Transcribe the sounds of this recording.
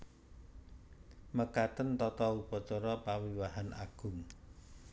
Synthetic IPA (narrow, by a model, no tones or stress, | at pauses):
məkat̪ənt̪ɔt̪ɔupɔt͡ʃɔɾɔpawiwaɦanʔaɡ̥ʊ̤m